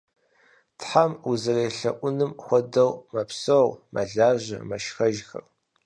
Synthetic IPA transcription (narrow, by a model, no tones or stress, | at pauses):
tħamuzɨreːɬɐ̰ʔʷʊnɨmχʷɔdɐwmɐpsowmʔɐ̰ɮaːʑɐ̰mɐʃxɐʒxɐ̰r